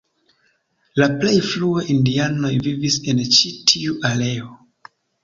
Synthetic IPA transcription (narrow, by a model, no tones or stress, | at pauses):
laplejfluaʔindiano̞jvivisent͡ʃitʰiuʔale̞o